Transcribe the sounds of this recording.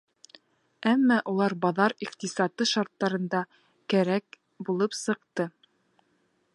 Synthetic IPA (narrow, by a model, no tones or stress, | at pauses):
æmːɑʔulˠɑɾbɑðɑɾiqt̪isɑt̪ɤʃɑɾt̪ːɑɾɤ̆nd̪ɑ | kæɾæk | bulˠɤpsɤ̆qt̪ɤ